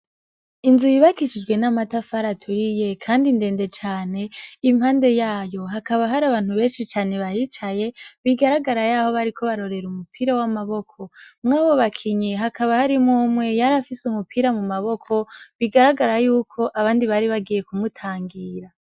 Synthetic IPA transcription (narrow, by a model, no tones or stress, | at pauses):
inzujiβakit͡ʃid͡ʒɡwe̞namatafaɾatʰuɾije̞kʰaːndinde̞ːnde̞t͡ʃaːne̞imhaːnde̞jaːjo̞ɦakaβaɦaɾaβaːn̥huβe̞ːnʃit͡ʃaːne̞βajit͡ʃaje̞βiɡaɾaɡaɾajaho̞βaɾikʰo̞βaɾo̞ɾe̞ɾumupʰiɾawamaβo̞kʰo̞mŋaːβo̞βakʰiɲeɦakaβahaɾimumŋe̞jaɾafisumupʰiɾamumaβo̞kʰo̞βiɡaɾaɡaɾajuːkʰo̞ʔaβaːndiβaɾiβaɡije̞kumutʰaːŋɡiːɾa